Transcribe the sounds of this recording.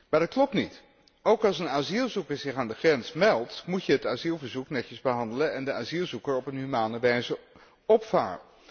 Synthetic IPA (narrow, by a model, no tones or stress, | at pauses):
maːɹdɑt̚klɔp̚tnit | owkɑlˠsənaːzilˠzukəɹzɪχaːndəχrɛnsmɛlˠtmucəɦətaːzilˠvəɹzuknɛcəzbəɦɑndələnɛndəaːzilˠzukəɹɔpənɦymaːnəʋɛjzə | ɔpfa̰ːɹ